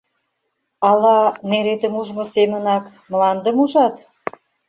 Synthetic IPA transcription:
ɑlɑneɾet̪ə̆muʒmosemənɑk | mlɑnd̪ə̆muʒɑt̪

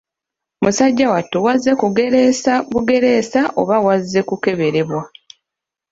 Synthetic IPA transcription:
musaɟːawatːuwazːe̞kuɡe̞ɾesaβuɡe̞ɾe̞saʔo̞̰βawazːe̞kuke̞βe̞ɾe̞βwa

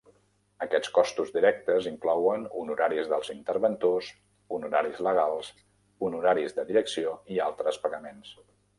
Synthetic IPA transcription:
əkɛt͡sskɔst̪uzðiɾɛk̚t̪əziŋklɔwənṵnuɾaɾizðəlˠzint̪əɾβənt̪os | unuɾaɾizləɣ̞alˠs | unuɾaɾizðəðiɾəksioialˠt̪ɾəspəɣəmens

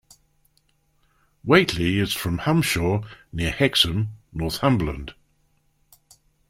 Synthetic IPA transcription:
weɪʔʰliɪz̥fɹə̃mhãmʃɔːnɪəhɛksə̃mnɔˑθhãmbələ̰̃nd̥

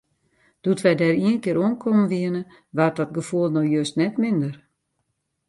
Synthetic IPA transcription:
d̥utʋɛjdɛriənkɪːɾoənkʰomənʋiənə | ʋat̚ɔt̚ɡəfuəlˠnɔxjøstnɛtmɪndər

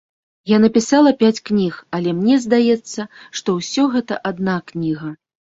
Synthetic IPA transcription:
janɐpʲisalˠɐpʲat͡sʲknʲixɐlʲɛmnʲɛzd̪ajɛt̪sːɐʂt̪ɔwsʲɔɣɛt̪ɐʔad̪̚naknʲiɣɐ

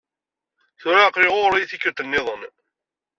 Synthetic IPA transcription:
θʊɾaːqɾɪʁʊɾjiθikːəɾt̪ənːɪðˤən

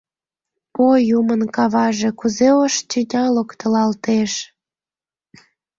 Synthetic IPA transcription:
pojumənkɑβɑʒekuzeoʃt͡ɕinʲɑlokt̪əlɑlt̪eʃ

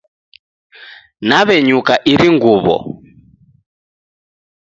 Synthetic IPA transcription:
naβɛɲukaʔiɾiŋɡuβɔ̰

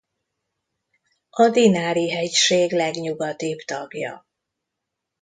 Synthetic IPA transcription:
ɒd̪inaːɾiɦɛcʃeːɡlɛɡɲuɡɒt̪ibt̪ɒɡjɒ̰

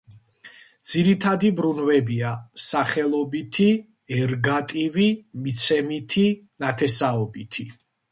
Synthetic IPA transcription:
d̪z̥iɾit̪ʰad̪ibɾunvɛbiasaχɛlˠɔbit̪ʰi | ɛɾɡat̪ʼivimit̪sʰɛmit̪ʰi | nat̪ʰɛsaɔbit̪ʰi

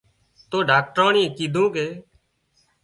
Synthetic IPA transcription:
t̪oːɖaːk̚ʈɾoːɳĩːkiːd̪ʱũːkeː

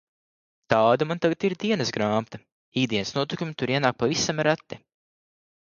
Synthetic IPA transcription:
t̪ɑːd̪amant̪aɡat̪iɾd̪iɛnsɡɾɑːmt̪a | iːd̪ʲiɛnsnuɔt̪ukʲumʲit̪uɾiɛnaːk̚pavisamɾat̪ːɛ

